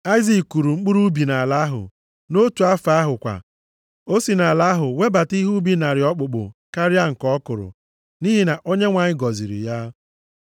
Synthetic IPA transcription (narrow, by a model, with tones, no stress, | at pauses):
a˦ɪ˦zi˨ku˨ɾu˨ŋ͡m̩˦k͡pu˦ɾu˦bi˨na˨la˦ɦʊ̰˨ | no˦tu˨a˦fa˦ɦʊ˨kʷa̰˨ | o˦si˨na˨la˦ɦʊ˨we˦ba˨ti˦ɦu˦bi˨na˨ɾɪ˨ɔ˦k͡pʊ˨k͡pʊ̰˨ka˦ɾja˦ŋ̩˨kɔ˦kʊ˨ɾʊ̰˨ | ni˦ɦi˨na˨ʔo˦ɲe˦ŋʷa˨ɲɪ˦ɡɔ˨zḭ˨ɾḭ˨ja˦